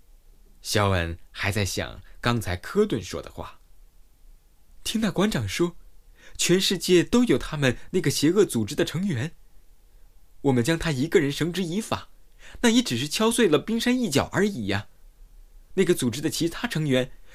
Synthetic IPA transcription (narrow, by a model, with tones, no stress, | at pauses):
ɕjɑ˥ʊwə̰˧˩nxa˧˥ɪt͡sa˥˩ɪɕjɑ̰˨˩ŋkɑ˥ŋt͡sʰa˧˥ɪkʰɤ˥t̪wə˥˩nʂwɔ̰˥d̪ə̰˨xwa̰˥˩ | t̪ʰi˥ŋt̪a˥˩kwa˧˥nʈ͡ʂʰɑ˨˩ŋʂwɔ˥t͡ɕʰɥɛ˧˥nʂɻ̩˥˧t͡ɕjɛ˥˧t̪o˥ʊjo˨˩ʊt̪ʰa˥mə˨nna˥˩ɡə˩ɕjɛ˧˥ɤ˥˩t͡su˨˩ʈ͡ʂɻ̩˥d̪ə˨ʈ͡ʂʰɤ˧˥ŋɥɛ˧˥n | wɔ˨˩mə˦nt͡ɕjɑ˥ŋt̪ʰa˥i˧˥ɡə˥˧ɻə˧˥nʂɤ˧˥ŋʈ͡ʂɻ̩˧˥i˧˥fa̰˨˩˦na˥˩jɛ˧˥ʈ͡ʂɻ̩˨˩ʂɻ̩˥˩t͡ɕʰjɑ˥ʊswe˥˩ɪlə˩pi˥ŋʂa˥ni˥˩t͡ɕjɑ˨˩ʊʔə˞˧˥i˨˩ɐ˧˩ | na˥˩ɡə˩t͡su˨˩ʈ͡ʂɻ̩˥d̪ə˨t͡ɕʰi˧˥t̪ʰa˥ʈ͡ʂʰɤ˧˥ŋɥɛ˧˥n